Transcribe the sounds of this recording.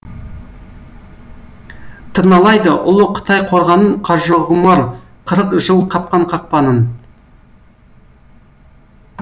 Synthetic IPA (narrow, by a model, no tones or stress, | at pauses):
t̪ʰəɾnɑlˠɑjd̪əʔʊlˠʊqʰə̥t̪ʰɑjqʰo̞ɾʁɑnəɴqʰɑʒəʁʊmɑɾ | qʰəɾəqʒəlˠq̪ʰɑp̚qɑɴqʰɑq̚pɑnən